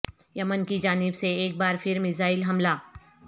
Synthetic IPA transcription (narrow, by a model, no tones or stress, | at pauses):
jɐmənkid͡ʒaːnɪbseeːk̚baːɾfʰɪɾmɪzaːɪlɦɐmlaː